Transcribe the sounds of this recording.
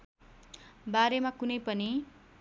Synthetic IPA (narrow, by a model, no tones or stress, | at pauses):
baɾemakunʌjpʌni